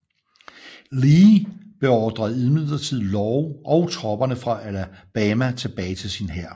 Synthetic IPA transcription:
liːb̥e̝ɒːd̥ʁɐðˠiðˠmið̰ˠlˠɐt͡sʰið̰ˠlɒʊʔɒ̽ʊt͡sʰʁɒ̽b̥ɐnəfʁɑ̈ʔælæb̥æmæt͡sʰe̝b̥ɛːɪt͡sʰe̝lsinɦæɐ̰

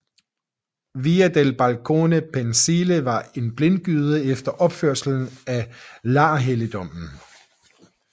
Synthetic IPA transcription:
ʋiːæd̥elb̥ælkʰo̝̰ːnəpʰensiləʋɑ̈e̝nb̥le̝n̚ɡ̥yːð̞ˠəefd̥ɐʔɒ̽b̥føɐ̰sl̩n̩ælɑ̈ːɦelid̥ɒ̽m̰n̩

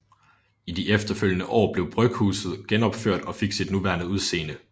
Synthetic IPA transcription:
id̥iʔefd̥ɐføl̰jənəʔɒ̰ːb̥le̝ʊb̥ʁœɡ̥hṵːsð̞̩ˠɡ̥enɒ̽b̥føɐ̰d̥ɒ̽fe̝ɡ̥sid̥nuʋæɐnəuðˠse̝̰ːnə

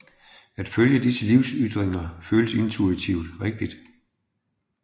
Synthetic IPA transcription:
æd̥føljəd̥isəliʊsyd̥ʁeŋɐføːləse̝nt͡sʰuit͡sʰiʊ̰d̥ʁɛɡ̥̚d̥id̥

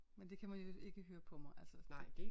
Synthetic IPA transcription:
mend̥e̝kʰæmænjo̝e̝ɡ̥əɦøːɐpʰɒ̽mɑɪʔælsənɑɪ̰d̥e

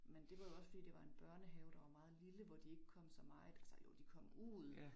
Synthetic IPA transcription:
mend̥e̝ʋɑ̈jo̝ɒ̽sfɒd̥ḭːd̥e̝ʋɑ̈e̝nb̥ɶɐnəɦɛʊd̥ɑ̈ʋɑ̈mɑ̈ːð̞̩ˠliləʋɒd̥ie̝ɡ̥əkʰɒ̽m̰sɒ̽mɑ̈ɪð̩ˠælsəjod̥ikʰɒ̽m̰uːð̰ˠ

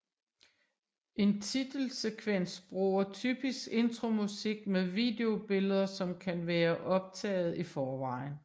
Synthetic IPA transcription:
ʔe̝nt͡sʰid̥l̩sekʰʋen̰sb̥ʁuːɐt͡sʰyːb̥isɡ̥e̝nd̥ʁo̝musiɡ̥̚meðˠʋḭːde̝o̝b̥e̝ləð̞ˠɐsɒ̽mkʰænʋæːɐʔɒ̽b̥̚t͡sʰɛ̰ːɪð̞̩ˠifɒːʋɑ̈ɪ̰n

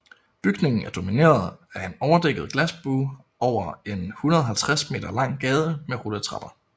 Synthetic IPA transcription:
b̥yɡ̥ne̝ŋn̩æɐd̥o̝mine̝̰ːɐð̩ˠæɐe̝nɒʊɐd̥eɡ̥ð̞̩ˠɡ̥læsb̥uː | ʔɒʊ̰ɐe̝nhunɐð̞ˠɐɦælt͡sʰʁasme̝̰ːd̥ɐlɑ̈ŋ̰ɡ̥ɛːð̞ˠəmeʁulət͡sʰʁɑ̈b̥ɐ

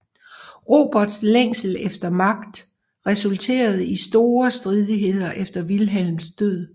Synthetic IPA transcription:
ʁo̝b̥ɒ̽d̥sleŋ̰sl̩efd̥ɐmɑ̈ɡ̥d̥ | ʁɛsult͡sʰe̝̰ːɐð̞̩ˠəisd̥o̝ːɐsd̥ʁið̞ˠiɦe̝ð̞̰ˠɐʔefd̥ɐʋilɦel̰msd̥øð̰ˠ

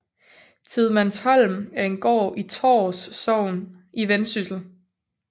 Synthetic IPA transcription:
t͡sʰiðˠmænshɒ̽l̰mæɐe̝nɡ̥ɒ̰ːit͡sʰɒ̰ːsːɒʊ̰n | ʔiʋensysl̩

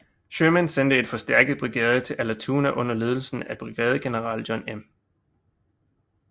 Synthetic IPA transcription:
ɕømænsen̰d̥əe̝d̥fɒ̽sd̥æɐ̰ɡ̥əð̩ˠb̥ʁiɡ̥ɛ̰ːð̞ˠət͡sʰe̝lʔælæt͡sʰuːnæʔɔ̽n̰ɐle̝ːð̞ˠl̩sn̩æb̥ʁiɡ̥ɛːð̞ˠəɡ̥e̝nəʁɑ̈ːld̥jɒnem

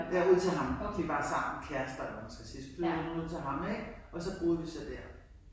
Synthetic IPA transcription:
ʋæɐuð̞̰ˠt͡sʰe̝lɦɑ̈md̥ib̥ɑ̈ːsɑ̈m̰nkʰæɐsd̥ɐɒmænsɡ̥æsispʰleunuð̰ˠt͡sʰelɦɑ̈meɡ̥ɒ̽sɒ̽b̥ʁuːð̩ˠʋisɒd̥æɐ

